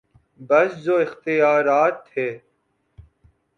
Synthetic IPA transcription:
bɐszoːɪxt̪ɪjaːɾaːt̪heː

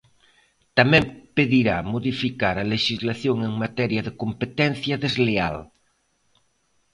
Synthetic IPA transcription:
t̪amɛ̃mpeðiɾamoðifikaɾɐleʃizlaθjoŋeŋmat̪ɛɾjɐðekompet̪ɛn̟θjɐðezlea̰l

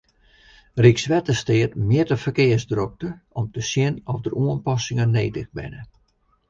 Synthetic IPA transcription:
riksʋɛtəstɪətmɪətəfərkɪəsdrok̚təɔmtəsjɪnɔfdərʔuənpɔsɪŋəneːtəxbɪ̰nə

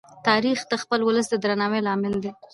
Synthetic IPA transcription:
t̪ɑɾixd̪əxpəlwʊləs̬d̪əd̪ɾanɑwelɑmɪld̪e

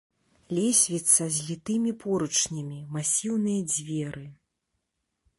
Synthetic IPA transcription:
lʲɛsʲvʲit̪sːɐzʲlʲit̪ɨmʲipɔɾut͡ʂnʲɐmʲimasʲiwnɨjɐd͡zʲvʲɛɾɨ

